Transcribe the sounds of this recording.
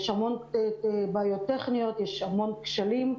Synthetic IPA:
jʃhamo̞n | baːjot̪ːeχnijo̞t̪jeʃhamo̞nkʃalim

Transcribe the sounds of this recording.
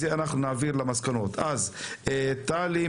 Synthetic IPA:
zeanaχnunaːviʁlamaskano̞t̪azet̪ali

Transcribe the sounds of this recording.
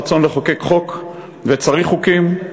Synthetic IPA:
t͡so̞nleχoke̞kχo̞k | vet͡saʁiχukim

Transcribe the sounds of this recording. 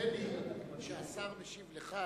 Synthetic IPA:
emiʃeasamneʃivleχa

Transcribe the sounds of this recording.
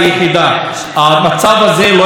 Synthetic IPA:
jeχid̪a | amat͡savazelo

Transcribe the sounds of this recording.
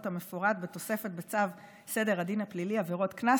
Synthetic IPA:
thamefoʁad̪bet̪o̞se̞fet̚bet͡sav | se̞de̞ʁadinhapliliaveʁo̞t̪kna

